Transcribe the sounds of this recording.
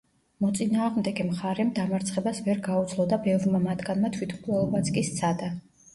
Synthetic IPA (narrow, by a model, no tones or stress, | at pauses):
mɔt̪sʼinaːʁmd̪ɛɡɛmχaɾɛmd̪amaɾt̪sʰχɛbasvɛɾɡaut̪sʰlˠɔd̪abɛvɾmamat̪ʰɡanmat̪ʰwit̪ʰmkʼlˠɔlˠɔbat̪sʰkʼist̪sʰad̪a